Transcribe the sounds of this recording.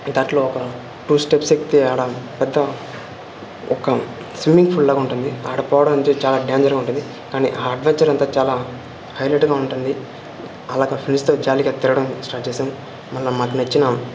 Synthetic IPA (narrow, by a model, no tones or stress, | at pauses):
d̪aːʈlo̞ːɔkɐ | ʈuːsʈepsek̚t̪iaːlapɛd̪ːɐ | ɔkɐ | sʋimiŋɡpʰullaːɡuɳʈund̪ia̰ːɽɐpɔːʋɐɽɐmɐnt͡ʃ̪et͡ʃaːlaːɖjaːɲd͡ʒɐɾɡaːuɳʈund̪i | kaːniʔaːɐɖʋɐɲt͡ʃɐɾɐnt̪aːt͡ʃaːlaː | hɐjleʈɡaːuɳʈund̪i | ɐlaːɡɐpʰɾinst̪oːd͡ʒaːliɡat̪iɾɐɽɐmsʈaːɾʈt͡ʃeːsaːmu | mɐlːɐmaːkunɐt͡ʃːinɐ